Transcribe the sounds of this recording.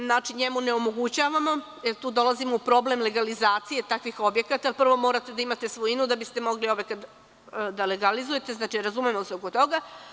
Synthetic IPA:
znaːt͡ʃiɲemuneomo̞ɡut͡ɕaːʋamo̞ | jeɾt̪uːd̪o̞lˠazimoupɾo̞ble̞mle̞ɡalizaːt̪sije̞t̪akʋixo̞bje̞kat̪alpr̩ʋo̞mo̞ːɾat̪e̞d̪aimat̪e̞sʋoinud̪abist̪e̞mo̞ɡlio̞bjekat̪ | d̪aleɡalizuje̞t̪e̞znaːt͡ʃiɾazumemoseoko̞t̪o̞ɡa

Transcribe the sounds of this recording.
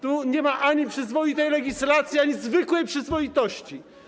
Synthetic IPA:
t̪uɲɛmaʔaɲipʂɘzvɔjit̪ɛjlɛɡʲislat̪sʲjiaɲizvɘkwɛjpʂɘzvɔit̪ɔɕt͡ɕi

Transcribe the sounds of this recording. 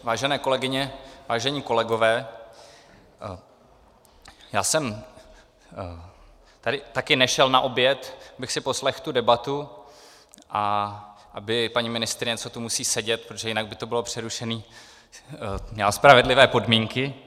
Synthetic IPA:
vaːʒɛnɛːko̞lɛɡɪɲɛvaːʒɛɲiːko̞lɛɡo̞vɛː | jaːsɛm | t̪adɪt̪akɪnɛʃɛlnaʔo̞bjɛt̪abɪxsɪpo̞slɛxt̪udɛbat̪u | ʔa | ʔabɪpaɲimɪnɪst̪ɾɪɲɛt͡sot̪umusiːsɛɟɛt̪̚pɾot̪oʒɛjɪnaɡ̚bɪt̪o̞bɪlopr̝̥ɛɾuʃɛniː | ɲaspɾavɛdlɪvɛːpo̞dmiŋkɪ

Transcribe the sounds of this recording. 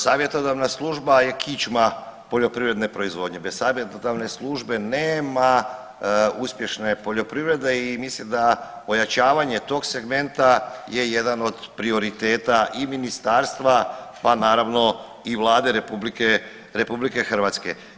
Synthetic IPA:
saːʋje̞t̪od̪aʋnaslˠuʒbaje̞kʰit͡ʃmapo̞ʎo̞pɾivɾe̞d̪ne̞pɾo̞izʋo̞d̪ɲe̞bessaːʋjet̪od̪aʋne̞slˠuʒbe̞neːma | uspje̞ʃne̞po̞ʎo̞pɾivɾe̞d̪e̞imislimd̪a | o̞jat͡ʃaːʋaɲe̞t̪o̞ɡse̞ɡme̞nt̪aje̞je̞d̪ano̞d̪pɾio̞ɾit̪e̞ːt̪aʔiminist̪aːɾst̪ʋapanaːɾaʋno̞ | iʋlˠaːd̪eɾepublike | ɾe̞publike̞xrʋat̪ske̞̰

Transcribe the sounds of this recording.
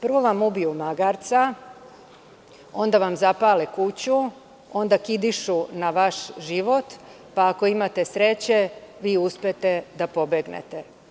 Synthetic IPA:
pr̩ʋo̞ʋamubijumaɡaɾt̪sa | o̞nd̪aʋamzapalikut͡ɕu | o̞nd̪akid̪iʃunaʋaʃʒiʋo̞t̪ | paːko̞imat̪esɾe̞t͡ɕe̞ʋiːuspet̪e̞d̪apo̞beɡnḛt̪e

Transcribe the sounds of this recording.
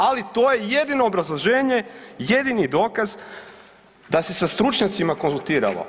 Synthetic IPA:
alit̪o̞ːje̞je̞d̪ino̞ːbɾazlˠoʒe̞ːɲe̞je̞d̪inid̪o̞ːkaz | d̪ase̞sast̪ɾut͡ʃɲat̪simako̞nzulˠt̪iːɾa̰lo̰

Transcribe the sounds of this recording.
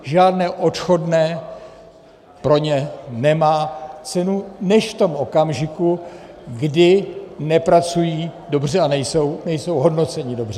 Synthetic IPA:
ʒaːdnɛːʔo̞t̪xo̞dnɛː | pɾo̞ɲɛnɛmaːt͡sɛnunɛʃft̪o̞mʔo̞kamʒɪku | ɡdɪnɛpɾat͡sujiːdo̞br̝ɛanɛjso̞wnɛjso̞wɦo̞dno̞t͡sɛɲɪdo̞br̥ɛ

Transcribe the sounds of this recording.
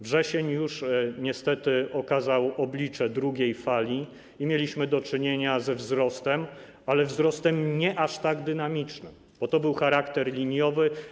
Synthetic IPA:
vʐɛɕeɲjuʂɲɛst̪ɛt̪ɘɔkazawɔblʲit͡ʂɛd̪ɾuɡʲejfalʲi | imʲjelʲiɕmɘd̪ɔt͡ʂɘɲeɲazɛvzɾɔst̪ɛm | alɛvzɾɔst̪ɛmɲɛʔaʂt̪aɡd̪ɘnamʲit͡ʂnɘ̰m | b̥ɔt̪ɔbɘwxaɾakt̪ɛɾlʲiɲjɔvɘ

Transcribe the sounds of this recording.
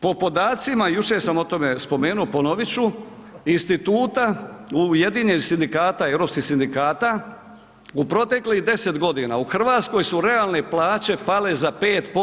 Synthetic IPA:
po̞po̞d̪aːt̪simajut͡ʃe̞samo̞t̪o̞me̞spo̞me̞ːnuopo̞noʋit͡ɕu | inst̪it̪uːt̪auje̞d̪iɲenisind̪ikaːt̪ae̞ʋɾopskihsind̪ikaːt̪a | upɾo̞t̪e̞kliɦd̪e̞se̞t̪ɡo̞d̪ina̰uxr̩ʋaːt̪sko̞jsuɾe̞alne̞plˠaːt͡ɕe̞pale̞zape̞ːt̪po

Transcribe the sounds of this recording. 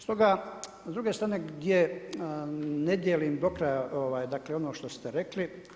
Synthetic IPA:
st̪o̞ɡa | zd̪ɾuɡest̪ɾaːned̪je | ned̪jelimd̪o̞kɾajaʔoʋaːjd̪aːkleo̞noːʃt̪ost̪eɾekli

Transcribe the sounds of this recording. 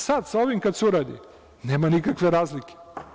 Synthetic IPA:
sad̪saoʋimkat̪seuɾaːd̪ḭ | neːmanikakʋeɾaːzlikʲe̥

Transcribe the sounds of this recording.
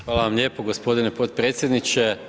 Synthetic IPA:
xʋaːlaʋamlʲe̞ːpoɡospo̞d̪inepo̞t̪̚pɾet̪sjed̪nit͡ʃe

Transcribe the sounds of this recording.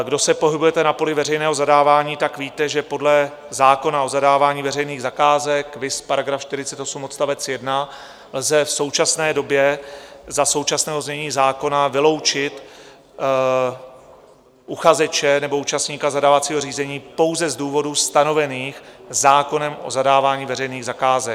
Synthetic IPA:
ɡdo̞sɛpo̞ɦɪbujɛt̪ɛnapo̞lɪvɛr̝ɛjnɛːɦo̞zadaːvaːɲiːt̪akviːt̪ɛʒɛpo̞dlɛ | zaːko̞nao̞zadaːvaːɲiːvɛɾɛjniːɣzakaːzɛkvɪspaɾaɡɾafʃt̪ɪɾɪt͡sɛt̪o̞sumʔot̪st̪avɛt͡sjɛdna | lzɛfso̞wt͡ʃasnɛːdo̞bjɛzaso̞wt͡ʃasnɛːɦo̞zɲɛɲiːzaːko̞navɪlo̞wt͡ʃɪt̪ | ʔuxazɛt͡ʃɛnɛbo̞uːt͡ʃastɲiːkazadaːvat͡siːɦor̝iːzɛɲiːpo̞wzɛzduːvo̞dust̪ano̞vɛniːxzaːko̞nɛmʔo̞̰zadaːvaːɲiːvɛɾɛjniːɣzakaːzɛ

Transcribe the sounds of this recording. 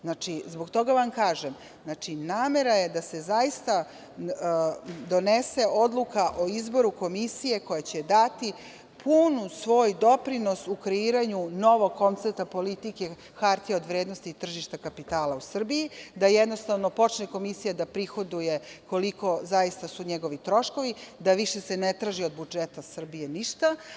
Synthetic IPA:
znat͡ʃizbo̞ɡt̪o̞ɡaʋamkaːʒem | zat͡ʃinaːme̞ɾaje̞d̪ase̞zaist̪a | d̪o̞nese̞ʔo̞d̪lˠukaʔoizbo̞ɾuko̞misije̞ko̞jat͡ɕed̪at̪i | pʰunusʋo̞ːjd̪o̞pɾino̞sukɾeiːɾaɲuno̞ʋoɡkːo̞nt̪seɾt̪apolit̪ike̞ | xaɾt̪ijeo̞d̪ʋɾeːd̪nost̪iːt̪r̩ʒiʃt̪akapit̪aːlausr̩bijid̪ajed̪no̞st̪aʋno̞po̞t͡ʃneko̞misijad̪apɾixo̞d̪uje̞ko̞liko̞zajist̪asuɲeɡo̞ʋit̪ɾo̞ʃko̞ʋid̪aʋiʃesenet̪ɾaːʒio̞d̪bud͡ʒet̪asr̩bijeniʃt̪a

